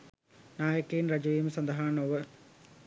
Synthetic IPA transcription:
naːjɐkːeːnrɐd͡ʑɐjimsɐnd̪ɐɦaːɳoːʋɐ

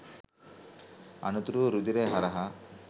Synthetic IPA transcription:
ɐ̰nut̪ɾuɾud̪iɾeɦɐɾɐɦɐ

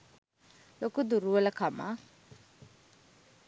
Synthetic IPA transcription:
lokud̪uɾuəlakʰama̰

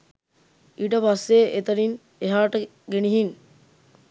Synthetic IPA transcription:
iʈəʋasːeːʔet̪ɐɾin | eɦaːʈə | ɡeniɦiŋ

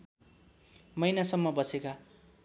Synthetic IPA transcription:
mʌjnasʌmːʌbʌseka

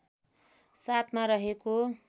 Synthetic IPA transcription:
sat̪ʰmaɾʌɦeko

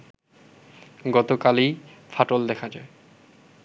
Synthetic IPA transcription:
ɡɔt̪okalijfʰaʈold̪ɛkʰad͡ʑae

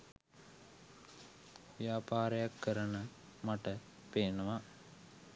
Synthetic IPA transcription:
ʋjaːpaːɾəjakːəɾənə | maʈə | peːnəʋa

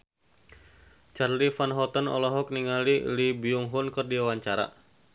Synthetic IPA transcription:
t͡ʃarlifanɦɔt̪ənɔ̰lɔɦɔk̚niŋalilibiuŋɦunkərdiawaɲt͡ʃaɾa̰

